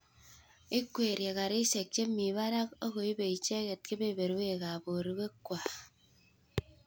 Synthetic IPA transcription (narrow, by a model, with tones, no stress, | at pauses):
e˦kwe˨ɾje˨ɣa˨ɾi˦se˨k̚t͡ʃe˦mi˨βa˦ɾa˦k̚o˦ɣo˨i˦be˨i˨t͡ʃe˦ɣe˨t̚ke˦be˦˨be˨ɾwe˦˨ɣa˨bo˨ɾi˨˦ɣe˦kwa˨